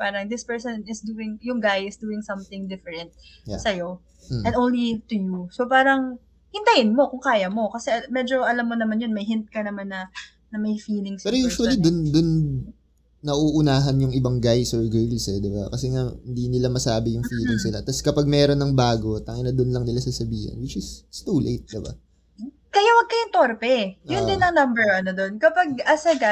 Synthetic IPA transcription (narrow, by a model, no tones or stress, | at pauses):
paːɾɐŋd̪ɪspɛɹsonɪsd̪uːɪŋjʊŋɡajɪsd̪uːɪŋsɐmθɪ̃ŋd̪ɪfɛɹɛ̃nt̪̚sɐjo̞ | ɛ̃nd̪ʔõwnlit̪ʊjusopaːɾɐŋ | hɪnt̪ɐhɪnmo̞kʊŋkaːjɐmo̞kɐsɛmɛːd͡ʒo̞ʔɐlɐmːonɐmanjonmɐjɦɪnt̪̚kɐnɐmanːɐ | nɐmɐjfiːlɪŋsɛːɾojuːʃwɐllid̪ʊnd̪ʊnː | ɐʔuːʔʊnaːɦɐnjʊŋɪbɐŋɡajsoɹɡɹɪlsɛd̪ɪba̰kɐsɛŋaɪnd̪inɪlamɐsaːbɪjʊŋfiːlɪŋsnɪlat̪ɐskɐpaɡ̚mɛːɾo̞nːɐŋbaːɡo̞t̪ɐŋɪnɐd̪onlɐŋnɪlasasɐbiːhɐ̰nwɪt͡ʃɪsɪst̪ulʔḛjt̪̚d̪ɪba̰ | kɐjawɐɡ̚kɐjɪŋt̪oɾpɛjʊnd̪ɪnːɐŋnɐmbɛɹɐnod̪o̞nkɐpaɡ̚ʔɐsɐɡa